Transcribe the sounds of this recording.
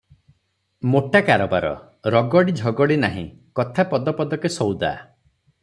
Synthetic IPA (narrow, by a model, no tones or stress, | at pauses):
moʈakaɾɔbaɾɔ̰ | ɾɔɡɔɽid͡ʒʱɔɡɔɽinaɦḭ̃ | kɔt̪ʰapɔd̪ɔpɔd̪ɔkesɔwd̪a̰